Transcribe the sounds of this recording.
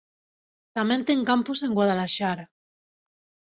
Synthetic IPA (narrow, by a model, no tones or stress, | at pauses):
t̪ament̪eŋkampuse̞ŋɡwaðalaʃaɾa